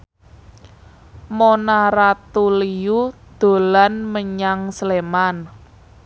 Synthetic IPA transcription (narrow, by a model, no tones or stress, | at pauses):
monaɾat̪ulijud̪̥o̤lanməɲaŋsleman